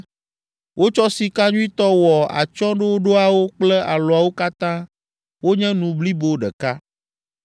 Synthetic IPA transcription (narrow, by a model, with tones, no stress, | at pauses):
wʔo˦t͡ʃɔ˦si˨ka˦ɲũ˦i˦t̪ɔ˦wɔ˨a̰˨t͡ʃɔ̃˦ɖe˦wo˦ɖo˦a˨wo˦k͡plɛ˦ʔa˨lo˨a˨wo˦ka˦t̪ã˦ | wo˦ɲɛ̃˦nũ˨bli˦bo˨ɖɛ˨ka˦